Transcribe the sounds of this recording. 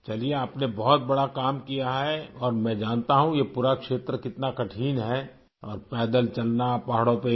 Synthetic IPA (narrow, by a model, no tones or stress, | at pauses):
t͡ʃɐlieaːpnebɔɦʊt̪̚bɐɽakaːmkijaɦɛɔːɾmɛ̃d͡ʒaːnt̪aɦũjepuːɾakʃeːt̪ɾəkɪt̪nakɐʈʰiːnɦɛ | ɔːɾpɛːd̪əlt͡ʃɐlnapaːɦɽõpe